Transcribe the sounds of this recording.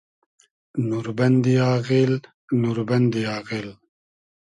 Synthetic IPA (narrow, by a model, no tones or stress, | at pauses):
nuɾbɐnd̪iaːɣil | nuɾbɐnd̪iaːqil